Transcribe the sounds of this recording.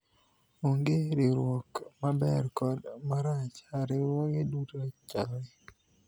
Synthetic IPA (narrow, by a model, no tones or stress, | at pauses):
oŋɡeɾɪɾwɔkmabɛrkɔdmaɾat͡ʃaɾɪɾwɔkedutot͡ʃawe